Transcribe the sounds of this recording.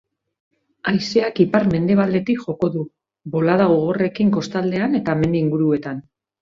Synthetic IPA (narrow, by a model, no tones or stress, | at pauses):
ajse̞akipaɾme̞nd̪e̞β̞ald̪e̞t̪ikʝo̞ko̞ðu | bo̞laðaɣo̞ɣ̞o̞re̞kiŋko̞st̪ald̪e̞ane̞t̪ame̞nd̪iŋɡuɾue̞t̪an